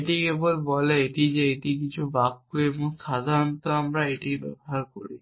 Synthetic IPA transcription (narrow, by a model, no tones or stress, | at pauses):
eʈikebolbɔleeʈid͡ʑeeʈikit͡ɕʰubakːoeboŋʃad̪ʱaɾont̪oamɾaeʈibɛ̰boɦaɾkoɾḭ